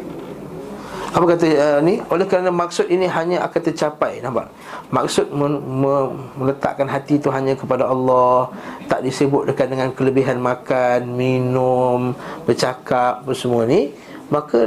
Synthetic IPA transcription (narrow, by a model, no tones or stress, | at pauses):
apakat̪̬aəniolɛhkəɾanamak̚sʊt̪̚iniɦaɲãa̰kant̪ət͡ʃapajnahba̰ʔ | mak̚sʊt̪̚məməmələt̪a̰ʔkanɦat̪it̪uɦaɲãkəpadaɑlːɔht̪aʔdisəbʊt̪̚dəkat̪̚dəŋãnkələbiɦanmakanminʊmbərt͡ʃakap̚pənsəmuani | maka